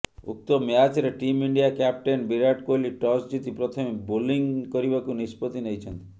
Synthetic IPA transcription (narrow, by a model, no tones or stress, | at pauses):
ṵk̚t̪omeat̪ʰiɾeʈimiɳɖijakap̚ʈenbiɾaʈkoliʈɔsd͡ʒit̪ipɾɔt̪ʰɔmebuliŋkɔɾibakunispot̪inejt͡ʃʰɔnt̪i̥